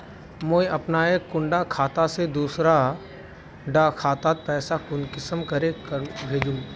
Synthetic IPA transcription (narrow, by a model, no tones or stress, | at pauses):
moːiʔɐpnaːekːʊ̃ɳɖakʰaːt̪ased̪uːsɾa | ɖakʰaːt̪aːt̪̚pɛːsakʊnkɪsəmkɐɾekbʱeːd͡ʒũː